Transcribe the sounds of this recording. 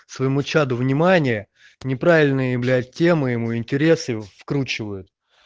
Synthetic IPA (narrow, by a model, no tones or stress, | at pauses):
svɐjɪmut͡ɕad̪ʊvnʲɪmanʲɪjə | nʲɪpɾavʲɪlʲnɨjəjɪblʲæt̚ʲːe̞mɨjɪmuɪnʲtʲɪɾʲe̞sɨfkɾut͡ɕɪvəjʊt̪